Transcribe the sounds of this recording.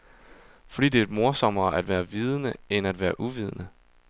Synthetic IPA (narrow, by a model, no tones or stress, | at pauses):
fɒ̽d̥ḭːd̥e̝d̥mo̝ɐsɒ̽mɐːʔæd̥ʋæːɐʋiːð̞ˠənəenæd̥ʋæːɐʔuʋiːð̞ˠənə